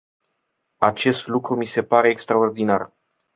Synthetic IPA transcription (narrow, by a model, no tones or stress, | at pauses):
at͡ʃe̞st̪lukɾumise̞paɾe̞ːkst̪ɾao̞rd̪inar